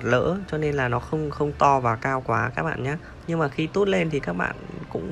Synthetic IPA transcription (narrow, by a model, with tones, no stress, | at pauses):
t̚lə̰ː˧˥t͡ɕɔ˧ne˧nlaː˨˩nɔ˨˦xə˧wŋ͡mxə˧wŋ͡mt̪ɔ˧vaː˨˩kaː˧wkwaː˨˦kaː˦˥k̚ɓa̰ː˧˨nɲaː˨˦ | ɲɨ˧ŋmaː˨˩xi˧t̪o˦˥t̚le˧nt̪ʰi˨˩kaː˦˥k̚ɓa̰ː˧˨nkʊ̰˧˥ŋ͡m